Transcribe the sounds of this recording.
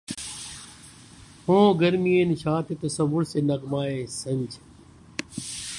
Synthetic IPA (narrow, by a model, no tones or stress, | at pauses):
hõːɡəɾmieːnʃaːt̪et̪ɐsəʋʊɾseːnɐɡmaːeːsəɲd͡ʑ